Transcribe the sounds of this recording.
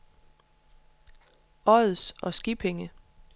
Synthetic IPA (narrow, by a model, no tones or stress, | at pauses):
ɒ̽ð̩ˠsʔɒ̽sɡ̥ib̥ʰeŋə